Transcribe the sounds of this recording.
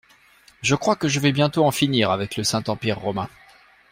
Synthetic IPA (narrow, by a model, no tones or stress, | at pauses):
ʒəkχwakəʒəvɛbjɛ̃t̪oɑ̃finiʁavɛkləsɛ̃t̪ɑ̃piʁːɔmɛ̃